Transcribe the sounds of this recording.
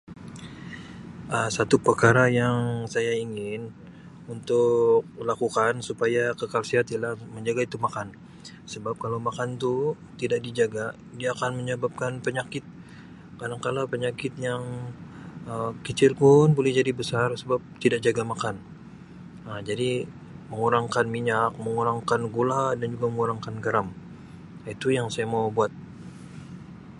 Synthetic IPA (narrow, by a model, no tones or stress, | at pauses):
ʔəsat̪upərkaɾajaŋsajaiŋɪn | unt̪ʊk̚lakukansupajakəkalsiɦat̪ilahməɲd͡ʒaɡait̪umakan | səbap̚kalawmakant̪u | t̪idaʔ̚did͡ʒaɡa | diaːkanməɲəbap̚kanpəɲakɪt̪̚ | kadaŋkalapəɲakɪt̪̚jaŋ | əkət͡ʃɪrkʊnbolɛhd͡ʒadibəsarsəbap̚t̪idaʔ̚d͡ʒaɡamakan | əd͡ʒadi | məŋuɾaŋkanmiɲak̚məŋuɾaŋkanɡoladand͡ʒuɡaməŋuɾaŋkanɡaɾam | it̪ujaŋsajamaubuat̪̚